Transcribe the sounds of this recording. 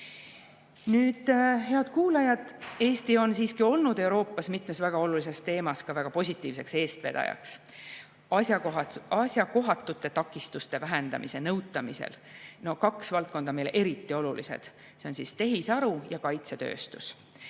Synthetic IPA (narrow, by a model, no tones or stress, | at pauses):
nyːd̪̥ɦe̞ɑd̪̥kuːlɑjɑd̪̥e̞ːst̪io̞nsiːskio̞lnud̪̥e̞wɾo̞ːpˑːɑsmit̪ˑme̞svæɡ̥ɑo̞lulis̬e̞st̪e̞ːmɑskɑvæɡ̥ɑpo̞sʲit̪ːˑiːvse̞kse̞ːst̪ve̞̰d̪̥ɑ̰jɑ̰ks | ɑɑsjɑko̞ɦɑt̪ːˑut̪ːˑe̞t̪ɑkːˑist̪ust̪e̞væɦe̞nd̪̥ɑ̰mise̞nɤwt̪ːˑɑmisḛlno̞kɑksvɑlt̪̚ko̞nd̪̥ɑme̞jlʔe̞ɾit̪ːio̞lulḭsḛd̪̥ | se̞onsist̪e̞ɦisɑɾujɑkɑjt̪set̪ø̰ːst̪us